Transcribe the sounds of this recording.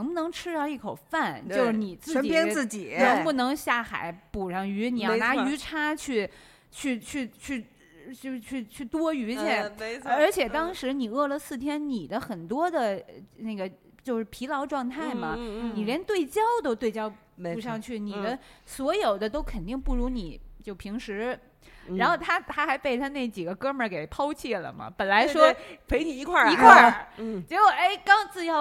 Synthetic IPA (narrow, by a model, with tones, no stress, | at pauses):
ŋpu˧˩nɤ˧˥ŋʈ͡ʂʰɻ̩˥d̪ɑ˥˧i˥˩kʰo˨˩ʊfa˥˩nt͡ɕjo˥˧ʊʂ̩˥˧˩ni˨˩t͡sɹ̩˥ə˧˥˩i˨pjɛ˥ɹ̩˥˩t͡ɕi˨˩˦nɤ˧˥ŋpu˥˩nɤ˧˥ŋɕja˥˩xa̰˨˩ɪpu˨˩ʂɑ˥˩ŋy˧˥ni˨˧˩jɑ˥˧˩na˧˥y˧˥ʈ͡ʂʰa˥t͡ɕʰy˥˧ | t͡ɕʰy˥˧t͡ɕʰy˥˧t͡ɕʰy˥˧ | t͡ɕo˥˧t͡ɕʰy˥˧t͡ɕʰy˥˩t̪wɔ˥y˧˥t͡ɕjɛ˥˩nə˞˧˥t͡ɕʰjɛ˨˩t̪ɑ˥ŋʂɻ̩˧˥ni˨˩ɤ˥˩lə˩sɹ̩˥˩t̪ʰjɛ˥nni˨˩d̪ə˦xə˨˩nt̪wɔ˥d̪ə˨na˥˩ɡə˩ | t͡ɕjo˥˧ʊʂɻ̩˥˩pʰi˧˥lɑ˧˥ʊʈ͡ʂwɑ˥˧ŋt̪ʰa˥˩ɪmɐ˩ni˨˩ljɛ˧˥nt̪we˥˩ɪt͡ɕjɑ˥ʊt̪o˧t̪we˥˧ɪt͡ɕjɑ˥ʊ | u˥˧ʂɑ˥˧ŋt͡ɕʰy˥˩ni˨˩d̪ə˦swɔ˧˥jo˨˩ʊd̪ə˦t̪o˥ʊkʰə˨˩nt̪i˥˧ŋpu˥˩ɻu˧˥ni˨˩˦t͡ɕjo˥˩ʊpʰi˧˥ŋʂɻ̩˧˥ | ɻa˧˥nxo˥˩ʊt̪ʰa˥t̪ʰa˥xa˧˥ɪpe˥˩ɪt̪ʰa˥ne˥˩t͡ɕi˨˩ɡə˦kɤ˥mə˞˧ke˨˩ɪpʰɑ˥ʊt͡ɕʰɛ˥˩lə̰˩mɐ̰˩pə˨˩nla˧˥ɪʂwɔ˥pʰe˧˥ɪni˨˩˧kʰwa˥˩i˧˥kʰwa˥˩t͡ɕjɛ˧˥ko˥˩e˥˩ɪkɑ˥ŋt͡sɹ̩˥˧jɑ˥˩ʊ